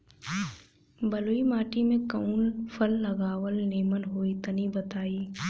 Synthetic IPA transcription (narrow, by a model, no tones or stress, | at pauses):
bɐloimaːʈimẽkɐuːnfʰəlːɐɡaːwəlneːmənɦoːit̪ənibɐt̪aːiː